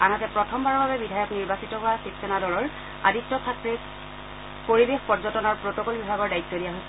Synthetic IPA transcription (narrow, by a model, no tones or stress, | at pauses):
anatɛpɹɔtʰɔmbaɹɔbʱabɛbidʱajɔkniɹbasitɔɦʊwasipsɔnadɔlɔɹ | a̰ditːɔsʰatɹe | poɹibexpɔɹzɔtɔnaɹpɹotokɔlbibʱaɡɔɹdaitːɔdijaɦojsɛ